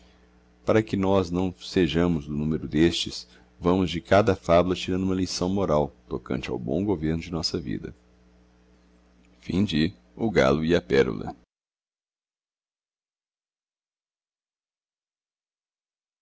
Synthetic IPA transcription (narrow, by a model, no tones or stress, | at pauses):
paɾɐkɪnɔznɐ̃w̃seʒɐ̃mʊzd̪ʊnũmeɾʊd̪est͡ʃɪs | vɐ̃mʊzd͡ʒɪkad̪ɐfablɐt͡ʃiɾɐ̃nd̪ʊũmɐlisɐ̃w̃moɾawt̪okɐ̰̃nt͡ʃɪa̰wbõ̰w̃ɡoveɾnʊd͡ʒɪnɔsɐvḭd̪ɐ̰ | fĩd͡ʒɪ | ʊɡa̰lʊiɐpɛɾṵlɐ̰